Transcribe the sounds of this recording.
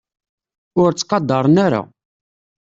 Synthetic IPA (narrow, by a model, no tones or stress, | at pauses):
ʊɾt͡sːqɑd̪ːɑɾˤənaɾa̰